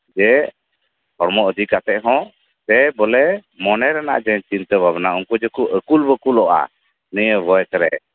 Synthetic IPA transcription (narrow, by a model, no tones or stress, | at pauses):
d͡ʒɛ | hɔɽmɔʔəd̪ʱikat̪ɛʔɦɔ̃ | t̪ɛbɔlɛmɔnɛɾɛna̰ʔd͡ʒɛɲt͡ʃint̪əbʱabnauŋkɔd͡ʒɛkuʔəkulbəkulɔʔa̰ | nɛjəbɔjkɾɛ̰